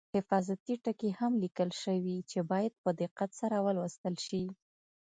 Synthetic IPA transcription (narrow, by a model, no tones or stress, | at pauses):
hɪfɑzat̪iʈəkehamlikəlʃəwit͡ʃebɑjad̪̚pəd̪ɪqːat̪saɾawəlwəst̪əlʃi